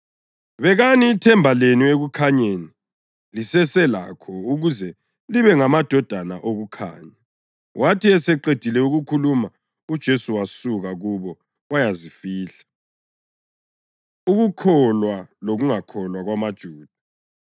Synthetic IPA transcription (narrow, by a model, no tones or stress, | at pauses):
βɛɣaniːtʰɛmbʱalenueɣukʰaɲeni | lisɛsɛla̰kʰɔuɣuzɛ | liβɛŋamad̥ʱɔd̥ʱanaʔoɣukʰa̰ːɲa | wʔatʰiɛsɛǃed̥ʱilɛuɣukʰuluma | ud̥ʒ̥ʱesuwasuɣaɣuβɔ | wajazifiːɬḁ | uɣukʰɔlwaloɣuŋakʰɔlwaɣwamad̥ʒ̥ʱuːd̥ʱa